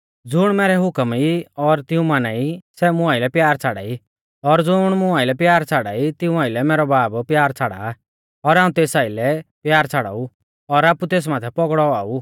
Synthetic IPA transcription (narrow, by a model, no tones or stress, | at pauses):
d͡zʊɽ̃mɛːɾɛɦʊkəmiɔɾt̪ɪũmanaːisɛmʊ̃aːɪlɛpjaːɾt͡sʰaːɽa̰ːi | ɔɾd͡zʊɽ̃mʊ̃aːɪlɛpjaːɾt͡sʰaːɽaːit̪ɪũaːɪlɛmɛːɾɔbaːbpjaːɾt͡sʰaːɽa̰ː | ɔɾaːũt̪eːsaːilɛpjaːɾt͡sʰaɽa̰ːu | ɔɾaːput̪eːs̬maːt̪ʰɛpɔɡɽɔaːu